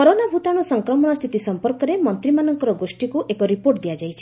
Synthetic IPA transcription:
kɔɾonabʱut̪aɽ̃ɔsɔŋkɾɔmɔɽ̃ɔst̪ʰit̪isɔmpɔɾkɔɾemɔnt̪ɾimanɔŋkɔɾɔɡosʈikuʔekɔɾipoɾʈd̪ijad͡ʒajt͡ʃʰi̥

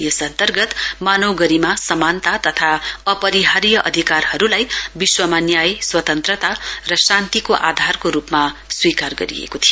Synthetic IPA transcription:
jʌsʌnt̪ʌrɡʌt̪manʌwɡʌɾimasʌmant̪at̪ʌt̪ʰaʌpʌɾiɦaɾjʌʔʌd̪ʱikarhʌɾulajbiswʌmanjajeswʌt̪ʌnt̪rʌt̪arʌsãnt̪ikoʔad̪ʱarkoɾupmaswikarɡʌ̰ɾḭḛkot̪ʰijo

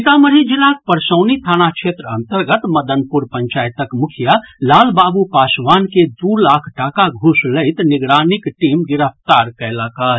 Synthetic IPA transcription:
t̪aməɾɦid͡ʒilak̚pəɾsəwnit̪ʰanakt͡ʃʰet̪ɾəənt̪əɾɡət̪məd̪ənpuɾpəɲt͡ʃajt̪əkmukʰijəlalbabupasʋanked̪uɾlakʰʈakaɡʱusləɪt̪niɡɾanikʈimɡiɾəp̚ʰt̪aɾkəɪləka

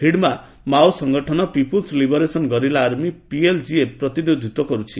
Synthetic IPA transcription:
hiɽma | mawsɔŋɡɔʈʰɔnɔpipulslibɔɾesɔnɡɔɾilaːɾmipield͡ʒiepɾɔt̪inid̪ʱit̪wɔkɔɾut͡ʃʰi

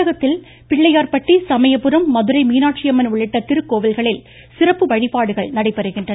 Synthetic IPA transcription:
ɐɣɐt̪ːɪl | pɪɭːɐjaːɾpɐʈːisɐmɐjɐpːɯɾɐmːɐðɯɾɐɪmiːnaːʈ̚t͡ʃɪjɐmɐnʊɭɪʈːɐt̪ːɪɾɯkːoːʋɪlɣɐɭɪl | sɪrɐpːɯʋɐɻɪpaːɽɯɣɐɭnɐɽɐɪpːɐɾɯɣɪndrɐ

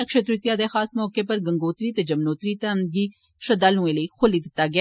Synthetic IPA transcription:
ɐkʃet̪ɾɪt̪jad̪exaːsmɔːkepɐɾɡɐ̃ŋɡoːt̪ɾit̪ed͡ʒɐmnoːt̪ɾit̪enɡi | ʃɐd̪aːlũeleixʰʊlid̪ɪt̪ːaɡɪ

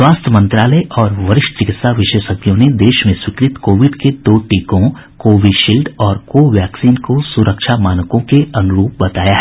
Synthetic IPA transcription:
swaːst̪ʰəmɐ̃nt̪ɾaːləjʔɔːɾʋɐɾɪʃʈt͡ʃɪkɪt̪saʋɪʃeːʃəɡjõned̪eːʃmẽswɪkɾɪt̪koːʋɪɖked̪oːʈiːkõ | koːʋiɖʃiːlɖɔːɾkoːʋjɛːksiːnkosʊɾəkʃamaːnəkõkeɐnʊɾuːp̚bɐt̪aːjaɦɛ

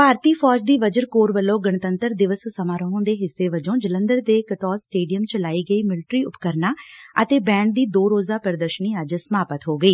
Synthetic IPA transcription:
paːɾt̪iːpʰɔːd͡ʒd̪iːʋəd͡ʒəɾkoːɾbəlːõːɡəɳt̪ənt̪əɾd̪ɪʋəsːəmaːɾəɦõːd̪eːɦɪsːeːʋəd͡ʒõːd͡ʒələ̃nd̪əɾd̪eːkəʈɔːlsʈeːɖijəmt͡ʃəlaːiːɡəiːmɪlʈɾiːʊpkəɾnaːət̪eːbɛ̃ːɳɖ̚d̪iːd̪oːɾoːzaːpəɾd̪əɾʃəniːəd͡ʒsəmaːpət̪ɦoːɡəiː

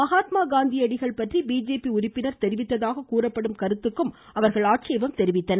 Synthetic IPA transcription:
mɐɣaːt̪maːɡaːnd̪ijɐɽɪɣɐɭpɐʈribiːd͡ʒeːpiʊɾɪpːɪnɐɾt̪ɛɾɪʋɪt̪ːɐðaːɣɐkuːrɐpːɐɽɯmkɐɾɯt̪ːɯkːɯm | ɐʋɐɾɣɐɭaːʈt͡ʃejʋɐmt̪ɛɾɪʋɪt̪ːɐnɐ

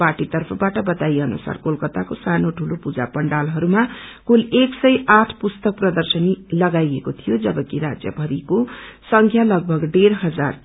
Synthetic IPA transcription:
parʈit̪ʌrpʰʌbaʈʌbʌt̪ajʌnṵsa̰rkolkʌt̪akosanoʈʰulopud͡za̰pʌɳɖalɦʌɾumakuleksʌjʔaʈʰpust̪ʌk̚prʌd̪ʌrsʌnilʌɡajekot̪ʰijod͡zʌbʌkiɾad͡zjʌ̰bʱʌɾikosʌŋkʰjalʌɡ̚bʱʌɡɖerɦʌd͡zar

